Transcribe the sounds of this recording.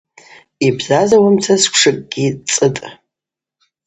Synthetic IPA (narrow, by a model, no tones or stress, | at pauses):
ibzazawamt͡sʰaskʷʰʂɨkʼɡ̥ʲit͡sʼɨtʼ